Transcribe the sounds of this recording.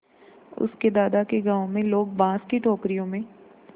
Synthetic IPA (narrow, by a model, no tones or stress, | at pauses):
ʊ̰sked̪aːd̪akeɡãːõmẽloːɡ̚bãːskeʈoːkɾijõmẽː